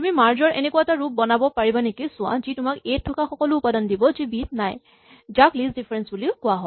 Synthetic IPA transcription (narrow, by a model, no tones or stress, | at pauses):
umimaɹzɔɹʔɛ̰nekʊataɹup̚bɔnabɔpaɹibanekisʊ̃a̰zitʊmaketʰːɔkaxɔkɔlʊːpadɔndibɔzibit̚naj | zaklisdipʰɛɹɛnsbuliʊkʊaɦɔ